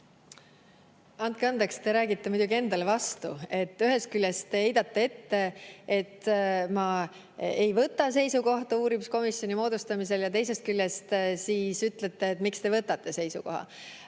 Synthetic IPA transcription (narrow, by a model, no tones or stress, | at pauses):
ɑnt̪̚keɑnd̪ekst̪e̞ɾæːɡit̪ːe̞mud̪uɡie̞nd̪ɑlevɑst̪ṵe̞t̪ːˑyɦe̞st̪̚kyljest̪ehe̞jd̪̥ɑt̪ːee̞t̪ːe̞e̞t̪mɑ | e̞jvɤt̪ːˑɑs̬e̞jsuko̞ht̪ɑuːɾimisko̞misjonimo̞ːd̪ust̪ɑmis̬e̞ljɑt̪e̞jse̞st̪̚kylʲjest̪siːsyt̪ˑle̞t̪ːe̞ːt̪ːmikst̪e̞vɤt̪ːˑɑt̪ːe̞se̞jsṵko̞ɦɑ̰